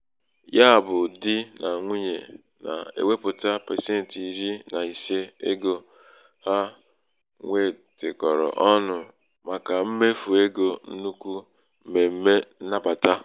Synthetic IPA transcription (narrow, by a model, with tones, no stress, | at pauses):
ja˦˨bʊ˨dɪ˦na˨ŋʷi˦ɲe˨ | na̰˨ḛ˦we˦pʊ˨ta˦pe˨se˦n̩˨ti˨ɾi˦na˨i˨se˦e˦ɡo˨ | ha˦ | ŋʷe˦˨ | tɪ˨kɔ˨ɾɔ̰˨ʔɔ˦nʊ˨ | ma˨ka˨m̩˦me˦fu˨e˦ɡo˨n̩˦nu˦kʷu˦ | m̩˨me˨m̩˦me˦n̩˦na˦pa˨ta˦